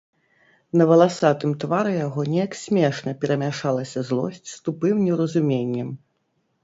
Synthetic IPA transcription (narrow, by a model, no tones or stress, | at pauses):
nɐvɐlˠasat̪ɨmt̪vaɾɨjaɣɔnʲɛjɐksʲmʲɛʂnɐpʲɛɾɐmʲaʂalˠɐsʲɐzlˠɔ̰sʲt͡sʲst̪upɨmnʲɛwɾɐzumʲenʲːɛm